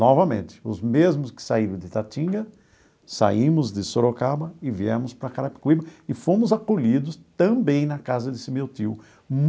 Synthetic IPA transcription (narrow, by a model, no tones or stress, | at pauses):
nɔvɐmḛ̃nt̪ɪ̥ʊzmezmʊskɪ̥saiɾɐ̃w̃d̪ɪt̪at͡ʃ̪ĩɡɐ | sa̰imʊzd̪ɪsoɾokabɐɪviɛmʊspɾɐkaɾapi̥kwibɐɪfõmʊzakoʎid̪ʊst̪ɐ̃bẽj̃nɐkazɐd̪ɪsɪmewt̪iw | m